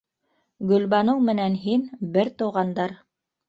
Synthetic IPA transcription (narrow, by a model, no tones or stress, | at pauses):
ɡɵ̆lbɑnɤwmɘ̆nænɦinbɘɾt̪ɤ̆wʁɑnd̪ɑɾ